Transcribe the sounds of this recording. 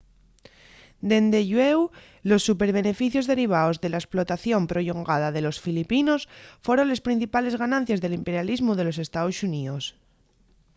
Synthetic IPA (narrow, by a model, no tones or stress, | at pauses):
d̪e̞nd̪eʎwew | lo̞sːupe̞ɾβ̞e̞ne̞fiθjo̞zðe̞ɾiβ̞aozðe̞laesplo̞t̪aθjo̞mpɾo̞ʎoŋɡað̞aðe̞lo̞sfilipino̞sfwoɾo̞nlespɾin̟θipale̞zɣanãn̟θjazðe̞limpe̞ɾjalizmuðe̞lo̞se̞st̪aosuniðos